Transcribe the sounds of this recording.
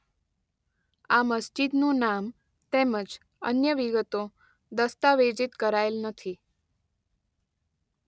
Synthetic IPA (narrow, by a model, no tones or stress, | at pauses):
aməsd͡ʒid̪nũnam | t̪eməd͡ʒ | ə̰njəʋiɡət̪o | d̪əst̪aʋed͡ʒit̪kəɾaelnət̪ʰi